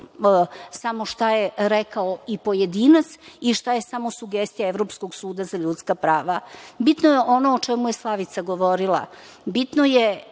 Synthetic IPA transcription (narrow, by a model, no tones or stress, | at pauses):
samo̞ʃt̪ajeɾekaoipo̞jed̪iːnat̪siʃt̪aje̞samosuɡest̪ijaeʋɾo̞psko̞ɡsuːd̪azaʎut̪skapɾaːʋabit̪nojeʔo̞noːt͡ʃɛmujeslˠaʋit̪saɡo̞ʋo̞ɾilˠa̰ | bit̪noje